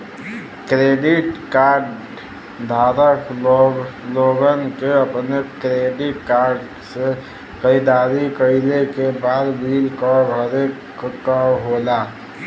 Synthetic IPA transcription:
kɾeɖiʈkaɾɖ | d̪ʱaɾək | loɡənkeəpnekɾeɖiʈkaɾɖ | se | kəɪd̪aɾikəilekebad̪bʱilkəbʱəɾe | kəɾɦola

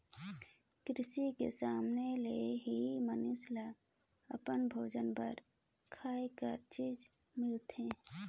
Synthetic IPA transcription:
kɾɪsikḛsaːmneleɦimənʊsla | ə̰pənbʱoːd͡ʒənpəɾ | kʰaːekəɾt͡ʃiːd͡ʒ | mɪlt̪ɦɛ̃ː

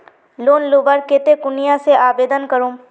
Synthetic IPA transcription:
loːnloːbəɾkeːt̪ekʊnijãseʔaːbeːd̪ənkəɾũː

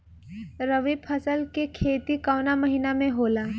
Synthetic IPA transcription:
ɾəʋiːbfʰɐsəlkekʰeːt̪ikaːnamɐɦiːnamẽɦoːlaː

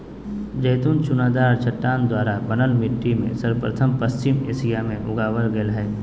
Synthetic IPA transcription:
d͡ʒəjt̪unt͡ʃʊnaːd̪aːɾt͡ʃʰəʈːaːnd̪waːɾabənəlmɪʈːimḛ̃səɾpɾət̪ʰəmpəst͡ʃɪmḛːsijamẽʔʊɡaːwəlɡəlɦɛː

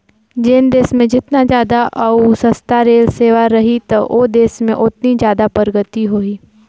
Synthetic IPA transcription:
d͡ʒeːnd̪eːsmẽd͡ʒɪt̪nad͡ʒjaːd̪aʔɐusɐst̪aɾeːlseːʋaɾɐɦit̪ɐʔod̪eːsmẽʔʊt̪nid͡ʒjaːd̪apəɾəɡət̪iɦoːiː

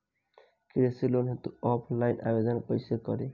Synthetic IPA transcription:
kiɾesilonɦet̪uɔpʰlajna̰bed̪ɔnpoisekɔɾe

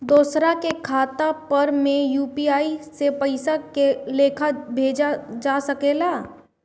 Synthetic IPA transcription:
d̪oːsɾakekʰaːt̪apɐɾmẽjuːpiaːisepəɪsakeleːkʰabʱeːd͡ʒad͡ʒaːsəkeːlaː

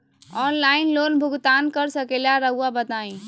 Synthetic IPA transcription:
ɔːnlaːɪnloːnbʱʊɡt̪aːnkəɾsəkelaɾəɦuabət̪aːĩ

